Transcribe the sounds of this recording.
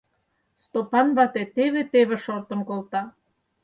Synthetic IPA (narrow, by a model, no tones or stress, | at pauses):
st̪opɑnβɑt̪et̪eβĕt̪eβĕʃort̪ə̆nkolt̪ɑ